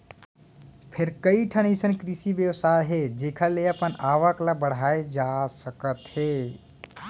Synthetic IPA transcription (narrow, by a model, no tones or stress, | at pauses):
pʰeɾkəiʈʰənisənkɾisibjəwsaeɦed͡ʒekʰəleəpənaʋəklabəɽ̤aed͡ʒasəkət̪he